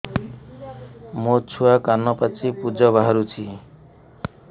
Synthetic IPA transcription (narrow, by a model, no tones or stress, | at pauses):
mot͡ʃʰuakanːɔpat͡sʰipud͡ʒɔbaɦaɾut͡ʃʰi